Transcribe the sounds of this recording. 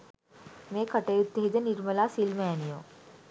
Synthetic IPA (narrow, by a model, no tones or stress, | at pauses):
mẽːkəʈeːʊt̪ːeɦid̪ənɪɾməlasiːlmɛɛnijo̰ː